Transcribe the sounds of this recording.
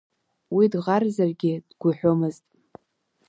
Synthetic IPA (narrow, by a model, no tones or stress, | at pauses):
widʁarzarɡʲɪd̥ɡʷʊħʷᶣomɨztʼ